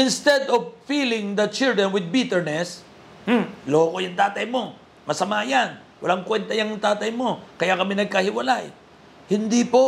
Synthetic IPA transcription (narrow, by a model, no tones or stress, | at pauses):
ɪnst̪ɛd̪ɔvfiːlɪ̃ŋd̪ɐt͡ʃɪld̪ɹɛnwɪd̪̚bit̪ɛɹnɛs | m̩loːkojʊŋt̪aːt̪ɐjmo̞ | mɐsɐmaːjan | wɐ̰laŋkwɛnt̪ɐjɐŋt̪aːt̪ɐjmo̞kɐjakɐmɛnɐɡ̚kɐhɪwɐlaj | hɪnd̪ipo